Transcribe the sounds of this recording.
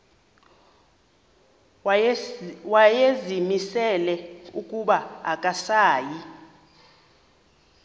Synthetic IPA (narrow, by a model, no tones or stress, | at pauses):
wajezimisɛlɛukʼuɓaakʼasaːji